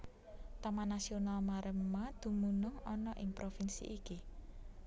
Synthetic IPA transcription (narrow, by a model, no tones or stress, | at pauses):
t̪amanasionalmaɾʔəmmːad̪̥ṳmunʊŋɔnɔʔɪŋpɾofinsḭʔiki